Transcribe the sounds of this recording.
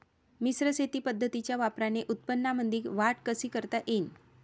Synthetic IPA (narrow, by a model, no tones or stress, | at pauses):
misɾəset̪iːpəd̪ʱːət̪it͡ɕjaʋapɾaneʔut̪̚pənːamənd̪iːkʋaʈkəsiːkəɾt̪aʔen